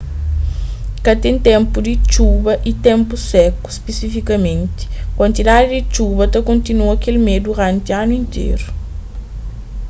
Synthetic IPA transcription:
kɐt̪ẽnt̪ɛ̃mpud̪it͡ʃubɐʔit̪ẽmpusɛku̥spesifikɐmẽnt̪i̥kwɐ̃nt̪id̪ad̪id̪it͡ʃuβɐt̪ɐkõnt̪inuɐkelmed̪uɾãnt̪ianuĩnt̪ʰḛɾu

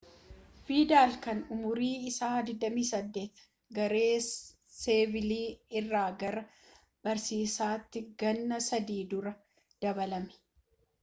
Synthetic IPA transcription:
fiːd̪aːlkɐnʊmʊɾiːɪsaːd̪ɪd̪ːɐmiːsɐd̪ːe̞ːt̪ | ɡɐɾe̞ː | seːvɪliːɪrːaːɡɐɾɐ | b̥ɐɾsiːsaːt̪ːɪɡɐnːɐsɐd̪iːd̪ʊɾɐ | d̪̥ɐβɐlɐmɛ̥

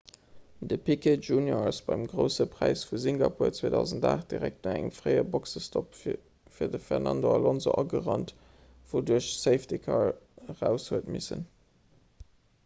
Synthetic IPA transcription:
dəpʰikʰetʒuːnjosb̥ɑɪmɡʁəʊsəpʰʁ̥æɪsfuziŋɡɑpʰuːɐt͡sweːdɑʊzəntdaːχt̚d̥iʁæk̚tnɑæŋə̰mfʁɜɪəbɔksəstʰɔp | fiːɐdəfɛʁnɑndoɑlɔnzoʔɑɡəʁɑnt | v̥oːduɐɕseɪftikʰɑɹʁæʊshuətmisə̰n

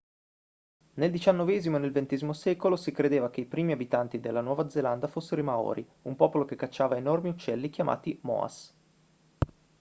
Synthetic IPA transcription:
neld̪it͡ʃanːovɛːzimoenelvent̪ɛːzimosɛːkolosikɾed̪eːvakeipɾiːmiabit̪ant̪id̪elːanwɔːvad̪zeland̪afosːeɾoimaɔ̰ːɾʔi | umpɔːpolokekːat͡ʃːaːvaenormiut͡ʃːɛlːik̟jama̰ːt̪imɔ̰a̰s

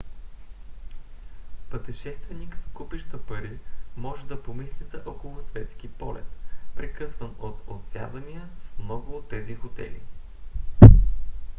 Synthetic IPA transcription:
pət̪ɛʃɛst̪vɛnikskupiʃt̪əpɐɾimɔʒɛd̪ɐpomislʲit̪əʔɔkolˠʊsvɛt̪sk̟ipɔ̰lɛ̰t̪pɾɛkɤsvənot̪ot̪sʲja̰d̪ənijəfmnɔɡlˠot̪ɛzixot̪ɛ̰lḭ

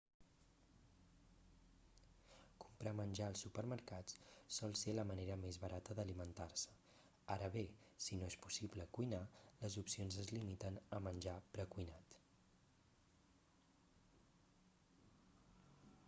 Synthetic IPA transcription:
kumpɾamənʲʒaəlˠsupəɾməɾkatssɔlˠseləməneɾəmezβəɾat̪əðəlimənt̪arsə̥ | aɾəβe | sinoespu̥sibləkujnaləzupsionzəzlimit̪ənəmənʲʒapɾəkujnat̪

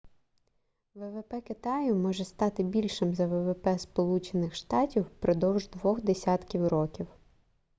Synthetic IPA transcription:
ʋɛʋɛpɛkɪt̪ɑjʊmɔʒɛst̪ɑt̪ɪbʲilʲʃɪmzɐʋɛʋepɛspɔlˠut͡ʃenɪxʃt̪ɑtʲiwpɾɔd̪ɔwʒd̪ʋɔxd̪esʲɑt̪kʲiwɾɔkʲiw

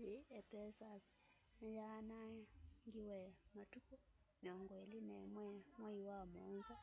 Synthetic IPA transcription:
iɛpɛsas | najanaŋɡiwɛmatuku | mɔŋɡwelinɛmwɛmɔiwamɔːnza

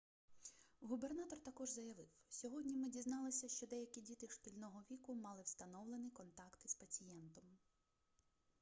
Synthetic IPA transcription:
ɦube̞rnɑt̪ɔrt̪ɐkɔʒzɐjɐʋɪwsʲɔɦɔdʲnʲimɪdʲiznɑlˠɪsʲɐʃt͡ʃɔd̪ɛjɐkʲidʲit̪ɪʃtʲilʲnɔɦɔʋʲikʊmɑlˠɪwst̪ɐnɔwlˠenɪjkɔnt̪ɑkt̪ɪspɐt͡sʲijɛnt̪ɔm

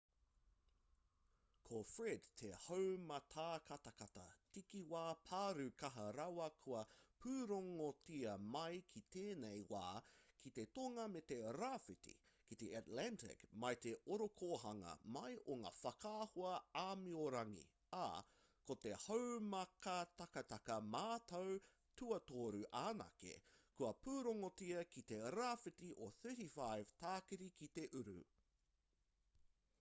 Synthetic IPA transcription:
kʰofɾedt̪ʰehowmɐt̪ʰaːkɐt̪ɐkɐt̪ɐ̰tikiwaːpʰaːɾʉkɐɦɐɾawɐkʰuɐpʰʉːɾoŋotiɐmɐjkʰit̪ʰeːnejwa̰ːkʰit̪et̪oŋɐmet̪eɾaːfitḭkit̪eʔatlæntʰɪ̰kmɐjt̪eʔoɾokʰoɦɐŋɐ̰mɐjʔoŋa̰ːfɐkʰaːhoɐaːmioɾɐŋḭ | a̰ | kot̪ehowmɐkɐt̪ɐkɐt̪ɐkɐmaːt̪ɐw | tuɐt̪oːɾʉʔaːnɐ̰kḛkuɐpuːɾoŋotiɐkit̪eɾafitiʔoθɜːtifajv̥t̪aːkiɾikit̪eʔʉɾʉ̰

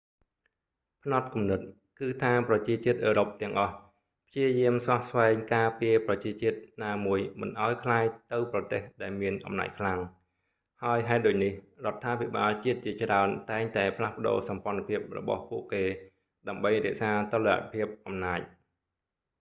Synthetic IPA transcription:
pʰnɑt̪̚kumnɨt̪̚ | kɨːt̪ʰaːprɑt͡ɕiət͡ɕiət̪̚ʔəːɾop̚t̪ɛ̆əŋʔɑh | pʰt͡ɕiəjiəmsʋahsʋaɛŋkaːpiəprɑt͡ɕiət͡ɕiət̪̚naːmuəjmɨ̰nʔaɔjkʰlaːjt̪ɨwprɑt̪eːhɗaɛlmiənʔɑ̰mna̰ːc̚kʰlaŋ | haəjɦaɛt̪̚ɗoːc̚nihrŏət̪ʰːaːpʰiɓaːlt͡ɕiət̪̚t͡ɕiət͡ɕraənt̪aɛŋt̪aɛpʰlahpə̆ɗo̰ːsɑmpŏənapʰiəp̚rɔ̰ɓɑ̰hpuəʔkeː | ɗaəmɓəjrɛ̆əʔsaːt̪olːea̰pʰiəp̚ʔɑmnaːc̚

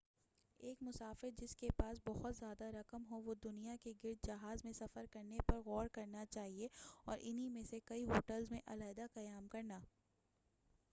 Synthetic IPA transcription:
eːkmʊsaːfɪɾd͡ʒɪskepaːs̬bɔhʊt̪zjaːd̪aɾɐkəmɦoʋod̪ʊnijakeɡɪɾd̪̚d͡ʒɐɦaːzmẽsɐfəɾkɐɾnepɐɾɣɔːɾkɐɾnat͡ʃaːɦieɔ̰ːɾʔɪnɦimẽsekɐiɦoːʈəlzmẽʔɐlaːd̪aqɐjaːmkɐɾnaː

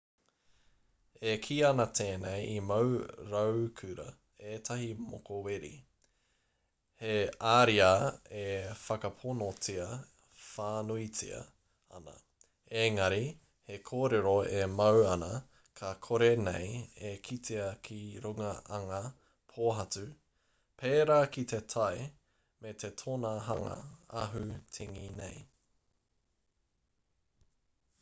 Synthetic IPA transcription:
ekʰiɐnɐtʰeːnejimɐwɾɐwkʰʉɾɐ̰ | etʰɐɦimo̰koweɾḭ | heaɾiaefɐkɐpʰonot͡siɐ | faːnuit͡sḭɐ̰ | ɐ̰nɐ̰ | eŋɐɾi | hekʰoːɾeɾoemɐwɐnɐ | kʰɐkʰoɾenḛjekʰitʰiɐkʰiɾuŋɐɐŋɐ | pʰoːɦɐt͡sʉ | pʰeːɾaːkit̪ʰe̞t̪ʰɐj | met̪ʰetʰonɐɦɐ̰ŋɐ̰ɐ̰ɦʉtʰiŋinḛj

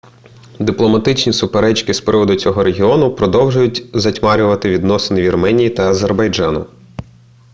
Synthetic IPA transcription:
d̪ɪplˠɔmɐt̪ɪt͡ʃnʲisʊpeɾɛt͡ʃkɪspɾɪʋɔd̪ʊt͡sʲɔɦɔɾeɦʲiɔnʊpɾɔd̪ɔwʒʊjʊtʲzɐtʲmɑɾʲʊʋɐt̪ɪʋʲid̪nɔsɪnɪʋʲirmɛnʲijit̪ɐɐzerbɐjd͡ʒɑnʊ̰

